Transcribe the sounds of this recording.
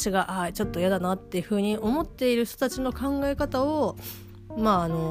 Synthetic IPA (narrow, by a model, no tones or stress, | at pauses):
ɕiɡaʔat͡ɕo̞t̪ːo̞jad̪anat̪ːe̞jɯ̟ɸɯ̟ːɲ̟iʔo̞mo̞t̪ːe̞iɾɯ̟çt̪o̞t̪at͡ɕino̞kãŋɡae̞kat̪ao | maːno̞